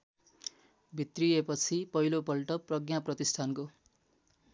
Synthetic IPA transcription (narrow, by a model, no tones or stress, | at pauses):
bʱit̪riepʌt͡sʰipʌilopʌlʈʌprʌɡjaprʌt̪isʈʰanko